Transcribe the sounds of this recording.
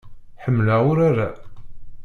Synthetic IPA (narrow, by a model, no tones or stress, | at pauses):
ħəmːlaʊɾaɾa